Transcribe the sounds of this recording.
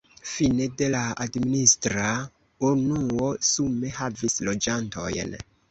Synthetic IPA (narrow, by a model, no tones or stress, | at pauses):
fine̞de̞laadministɾa | unuo̞sume̞havislod͡ʒanto̞̰jn